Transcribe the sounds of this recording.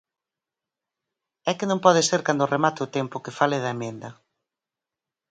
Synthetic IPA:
ɛkɪnõmpɔðeseɾkand̪ʊremat̪ɪʊt̪empʊkefalɪðɐemẽnd̪ɐ

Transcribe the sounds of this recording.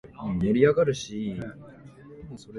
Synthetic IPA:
jaɾʲiaɡaɾɯ̟ɕi | msoɾ

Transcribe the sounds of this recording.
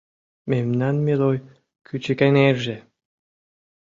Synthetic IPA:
memnænmeloj | kʰyt͡ɕekænerʒe

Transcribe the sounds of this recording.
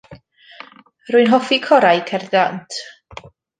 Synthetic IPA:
rʊɨnɦɔfikʰɔɾajkʰɛrdantʰ

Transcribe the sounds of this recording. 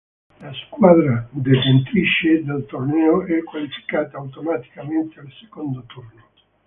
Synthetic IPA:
laskwad̪ɾad̪efent̪ɾit͡ʃed̪alt̪ornɛːoɛkwalifi̥kaːt̪aːwt̪omat̪i̥kament̪ealse̥kond̪ot̪urno

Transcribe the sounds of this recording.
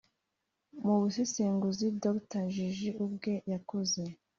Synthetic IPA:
muβuseseːŋɡuzidoktaʒiʒiubɡe̞jakoze̞

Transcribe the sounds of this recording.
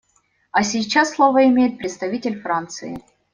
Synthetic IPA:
ɐsʲit͡ɕːasːlˠovəɪmʲejɪt̪̚pɾʲɪt̪st̪ɐvʲitʲɪlʲfɾant̪sɨɪ̰

